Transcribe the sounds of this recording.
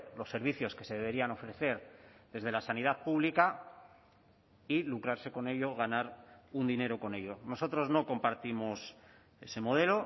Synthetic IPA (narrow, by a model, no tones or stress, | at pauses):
lo̞sːe̞ɾβ̞iθjo̞ske̞se̞ðe̞βe̞ɾiano̞fɾe̞θe̞ɾðe̞zð̞e̞lasanið̞aðpuβlika | ilukɾaɾse̞ko̞ne̞ʎo̞ɣ̞anaɾund̪ine̞ɾo̞ko̞ne̞ʎo̞no̞so̞t̪ɾo̞zno̞ko̞mpaɾt̪imo̞s | e̞se̞mo̞ð̞e̞lo̞